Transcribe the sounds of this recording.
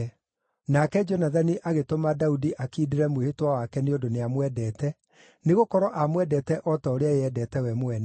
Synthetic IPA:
nakɛd͡ʒonaðaniʔaɣetomadaudiʔakiːdeɾɛmwehetwawakɛneodoneamwɛdɛːtɛ | neɣokɔɾɔʔamwɛdɛtɛʔɔtaoɾeajeɛdɛːtɛwɛmoɛnɛ

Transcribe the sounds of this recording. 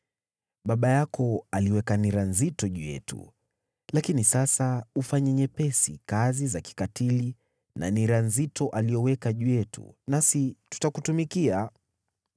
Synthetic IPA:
ɓaɓajakɔaliwɛkaniɾanzitɔʄujɛ̰tṵ | lakinisasaufaɲɛɲɛpɛsḭkazizaki̥katili | na̰niɾanzitɔʔalijɔwɛkaʄujɛtʰṵnasitu̥takutumikia

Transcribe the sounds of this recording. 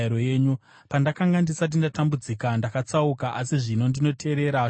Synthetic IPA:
ɾojeːɲu | pandakaŋɡandisat̬indatambud͡zikandakat͡saukaʔasiʐino̞ndino̞tʰe̞ːɾe̞ɾa

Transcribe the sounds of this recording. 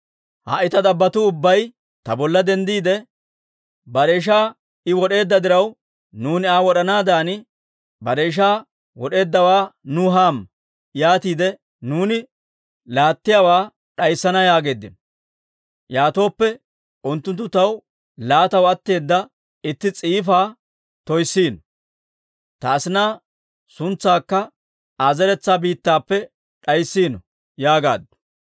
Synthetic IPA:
ha̰ʔɪt̪ɐd̪ɐbːɐt̪ʊʊbːɐj | t̪ɐbɔlːɐd̪ɛnd̪iːd̪ɛ | bɐɾeːʃ̬aː | ɪwɔɗe̞ːd̪ːɐd̪ɪɾɐw | nuːnɪaːwɔɗɐnaːd̪aːn | bɐɾeːʃ̬aː | wɔɗe̞ːd̪ːɐwaːnʊɦaːm | jaːt̪iːd̪ɛ | nuːnɪ | laːt̪ːɪjaːwaː | ɗɐjsːɐnɐjaːɡe̞ːd̪ːɪnɔ | jaːt̪o̞ːpːɛ | ʊnt̪ːʊnt̪ːʊt̪ɐw | laːt̪ɐwɐt̪ːe̞ːd̪ːɐ | ɪt̪ːɪt͡sʼiːfaː | t̪ɔjsːiːnɔ | t̪ɐːsɪnaː | sʊnt͡sːaːkːɐ | aːzɛɾɛt͡sːaːbiːt̪ːaːpːɛ | ɗɐjsːiːnɔ | jaːɡa̰ːd̪ːʊ̥

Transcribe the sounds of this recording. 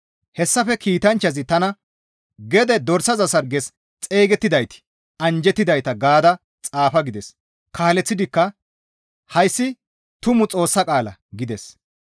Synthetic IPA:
hɛsːɐfɛkiːt̪ɐnt͡ʃːɐzɪt̪ɐnɐ | ɡɛd̪ɛd̪ɔɾsɐzɐsɐɾɡɛs | t͡sʼeːɡɛt̪ːɪd̪ɐjt̪ɪ̥ | ɐnd͡ʒɛt̪ːɪd̪ɐjt̪ɐɡaːd̪ɐ | t͡sʼaːfɐɡɪd̪ɛs | kʰaːlɛt͡sːɪd̪ɪkːɐ | hɐjsːɪ | t̪ʊmʊt͡sʼo̞ːsːɐkʼaːlɐ̰ɡɪd̪ɛs

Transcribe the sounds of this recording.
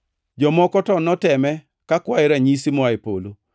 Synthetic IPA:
d͡ʒɔmɔkɔtɔnɔtɛmɛ | kakwaɪɾaɲisimɔaɪpo̰lo

